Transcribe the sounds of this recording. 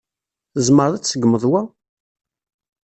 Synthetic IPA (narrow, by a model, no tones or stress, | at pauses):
əzˤməɾˤðæt͡sːəɡməðˤwæ